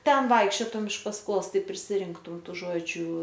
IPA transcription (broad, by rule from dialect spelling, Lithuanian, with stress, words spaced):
ˈtʲɛn ˈʋɐɪkʃʲt͡ʃʲoːtʊm ɪʃ pɐsˈkoːs ˈtɐɪ pʲrʲɪsʲɪˈrʲɪŋktʊm ˈtuː ˈʒoːd͡ʒʲʊ